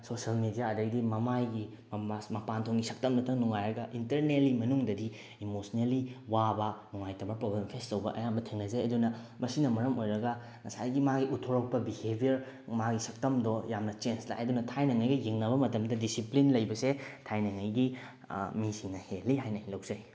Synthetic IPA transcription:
sosɐlmedijaɐdɐɡidimɐmajɡi | masmɐpantʰoŋɡisɐk̚tɐmnɐtʰɐŋnuŋajɾɐɡɐʔintɐɾnelimɐnuŋdɐdi | imosneliwabɐnuŋajtɐmɐɾpɾoblempʰestɐwbɐʔɐ̰jambɐtʰeŋnɐzeɐdunɐ | mɐsinɐmɐɾɐmojɾɐɡɐ | ŋɐsajɡimaɡiʔutʰoɾɐk̚pɐbihebʱijɐɾ | maɡisɐk̚tɐmdɔjamnɐt͡ʃensla̰jɐdunɐtʰajnɐŋajɡɐjeŋnɐbɐmɐtɐmdɐdisiplinlɐjbɐsetʰajnɐŋɐjɡi | misiŋnɐhelːiɦajnɐhilɐwzɐj

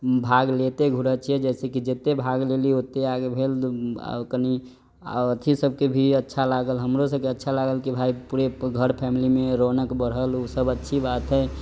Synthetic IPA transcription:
bʱaɡlet̪eɡʱuɾət͡ʃʰiɛd͡ʒɛːsekid͡ʒet̪ebʱaɡleliot̪eaɡebʱel̰ | kənḭ | ət̪ʰisəb̚ʱkebʱiətːʃʰalaɡəlɦəmɾosəb̚keətːʃʰalaɡəlkibʱaipuɾeɡʱəɾpʰɛmilimeɾonəkbəɽ̤ɦəlusəbətːʃʰibaːt̪ɦɛ

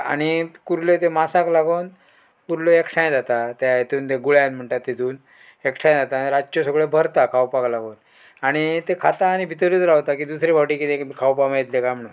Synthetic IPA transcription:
a̰ɽ̃ikuɾlet̪emasaklaɡoːn | kuɾloekʈʰãj̃d͡zat̪at̪eajet̪uːnt̪eɡuɭjãnm̤əɳʈ̪at̪ːet̪uːn | ekʈʰãjd͡zat̪aɾad͡ʑt͡ɕosəɡɭebʱəɾt̪akʰawpaklaɡoːn | aɽ̃it̪ekʰat̪aːɽ̃ibʱit̪əɾit͡s̪ɾaʋt̪ak̬iːd̪usɾibʱawʈikit̪ekkʰawpamait̪lekam̤əɽ̃un

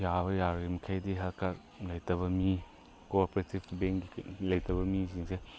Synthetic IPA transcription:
jaβɐjaɾɡimɐkʰajdiɦɐlkaɾ | lɐjtɐβɐmi | koɾpoɾetibbeŋɡilɐjtɐbɐmisiŋse

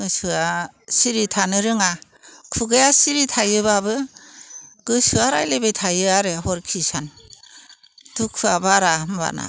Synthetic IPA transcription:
ɯsuasiɾitʰanɯɾɯŋa | kʰuɡajasiɾitʰajɯbabɯ | ɡ̥ɯsɯaɾajlebejtʰajɯaɾeɦɔɾkʰisan | dukʰɯabaɾamba̰na̰

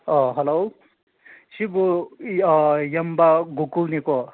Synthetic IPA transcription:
ʌɦɐlo | sibu | jɐmbaɡukuniko

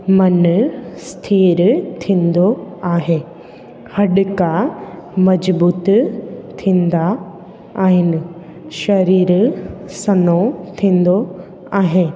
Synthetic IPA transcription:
mɐnst̪ʰiːɾt̪ʰĩːn̆d̪oaːɦeː | hɐɗɪkamɐd͡ʑbuːt̪t̪ʰĩːnd̪aː | ɦɪnɪ̆ | ʃɐɾiːɾsɐnot̪ʰĩːn̆d̪o | aːɦeː

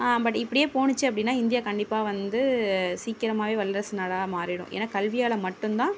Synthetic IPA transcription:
aːbɐʈːɪpːɐɽɪjeːpoːɳɪt͡ʃːɯɐpːɐɽɪnːaːɪnd̪ɪjaːkɐɳɖɪpːaːʋɐnd̪ɯsiːkːɪɾɐmaːʋeːʋɐlːɐɾɐsɯnaːɭaːmaːɾɪɽʊ̰̃ʔḛːnːaːkɐlʋɪjaːɭɐmɐʈːɯnt̪ãː

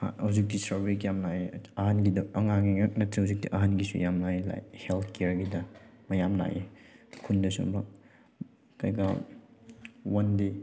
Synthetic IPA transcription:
ha̰hawzik̚disɐɾbekijamnaeɐɦanɡidɐɐŋaŋiŋak̚nɐtɾihawzik̚diʔɐɦanɡisṵjamnaela̰jhelt̪ʰkeeɾɡidɐmɐjamna̰ʔekʰundɐsṵmɾa | kajɡa | wɐnde

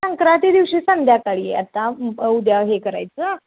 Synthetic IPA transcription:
əŋkɾat̪id̪iʋɕiːsənd̪ʱjakaɽiḛa̰t̪ːaud̪jaɦekəɾa̰jt͡səː

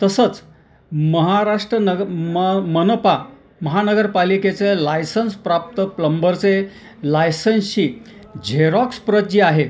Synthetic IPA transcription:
t̪əsət͡s | məɦaɾaʂʈɾənəmmənəpa | məɦanəɡəɾpaliket͡selajsənspɾap̚t̪əpləmbəɾt͡se | lajsənɕiː | d͡ʑʱeɾɔkspɾət̪̚d͡ʑiːaɦe

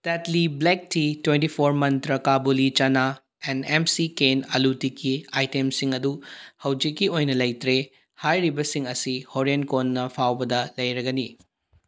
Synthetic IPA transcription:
tetliblek̚titwentipʰoɾmɐnt̪ɾɐkabulit͡ʃɐna | enemsikenɐlutikːiajtemsiŋɐduhɐwd͡ʒikːiojnɐlɐjt̪ɾe | hajɾibɐsiŋɐsihoɾenkonːɐpʰawbɐd̪ɐlɐjɾɐɡɐni

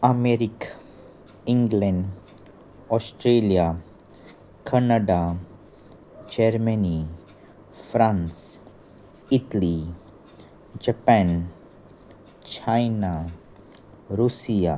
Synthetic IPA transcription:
ameɾik | ĩŋɡlɛ̃ɳɖ | ɔsʈɾelija | kʰanaɖa | d͡ʒeɾməni | fɾãns | iʈali | d͡ʒapɛn | t͡ʃajna | ɾusija

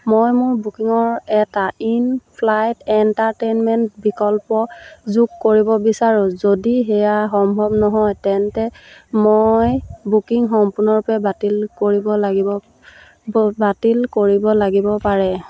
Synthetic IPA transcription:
mojmʊɹbukiŋɔɹɛtainpʰlajtɛntaɹtenmɛntbikɔlpɔzukːoɹibɔbisaɹũzodiɦɛjaxɔmbʱɔbnɔɦɔjtɛntɛmojbukiŋxɔmpuɹnɔɹupɛbatilkoɹibɔlaɔ | batilkoɹibɔlaɡibɔpaɹɛ

